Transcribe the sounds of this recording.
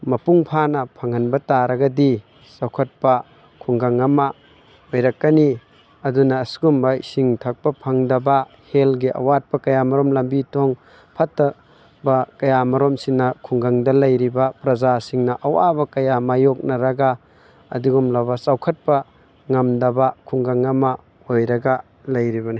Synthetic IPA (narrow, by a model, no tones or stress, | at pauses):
mɐpuŋpʰanɐpʰɐŋɐnbɐtaɾɐɡɐdi | sawkʰɐt̚pɐ | kʰuŋɡaŋɐmɐ | ojɾɐkːɐni | ɐdunɐːsɡumbɐsiŋtʰɐk̚pɐpʰɐŋdɐbɐ | helɡiʔɐ̰wat̚pɐkɐjamɐɾomlɐmbitʰoŋ | pʰɐtːɐ | bɐkɐjamɐɾomsinɐkʰuŋɡaŋdɐlɐjɾibɐpɾɐd͡ʒasiŋnɐʔɐwabɐkɐjamajok̚nɐɾɐɡaː | diɡumlɐbɐsawkʰɐt̚pɐ | ŋɐmdɐbɐkʰuŋɡaŋɐmɐ | ojɾɐɡa | lɐjɾibɐni